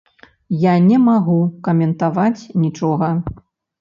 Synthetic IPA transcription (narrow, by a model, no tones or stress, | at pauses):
janʲɛmaɣukɐmʲɛnt̪avat͡sʲnʲit͡ʂɔɣɐ